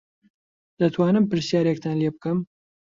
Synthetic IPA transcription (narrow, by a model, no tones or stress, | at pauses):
d̪̥ɐt̪ʰwaːnɨmpɨɾsjaːɾek̚t̪ʰaːnleb̚kɐm